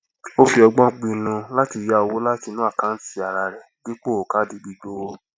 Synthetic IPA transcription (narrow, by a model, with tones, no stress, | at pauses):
o˦fi˧ɔ˧ɡ͡bɔ̃˦k͡pĩ˧˦nũ˧la˦ti˧˨ja˧o˧wo˦la˦ti˧nũ˨˦a˦˨kã˨˦n̩˦ti˦˨a˨ɾa˧˨ɾɛ˨d̥i˨˦k͡po˦˨o˨ka˨˦di˨ɡ͡bi˧do˦o˦